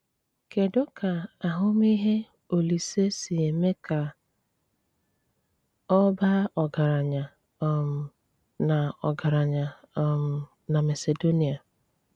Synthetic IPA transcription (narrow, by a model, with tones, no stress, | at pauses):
ke˨dɔ˦ka˨a˨ɦʊ˦m˦i˦ɦe˦ | o˨li˨se˦si˨e˨me˦ka˨ | ɔ˦ba˦ɔ˨ɡa˨ɾa˨ɲa˨˦ | m̩˨ | na˨ɔ̰˨ɡa˨ɾa˨ɲa˨˦ | m̩˨ | na˨me˨se˨do˦ni˨a˨